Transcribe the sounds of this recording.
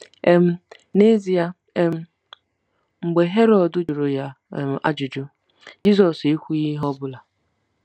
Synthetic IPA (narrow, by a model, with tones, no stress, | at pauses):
e˦m̩˦ | ne˦zi˨ja˦ | e˦m̩˦ | ŋ͡m̩˨ɡ͡be˨ɦe˦ɾɔ˨dʊ˦d͡ʒʊ˨ɾʊ˨ja˦˨˦ | a̰˦d͡ʒʊ˨d͡ʒʊ˦ | d͡ʒi˦zɔ˨si˦kʷu˦ɣi˦ɦɔ˦bʊ˦la˨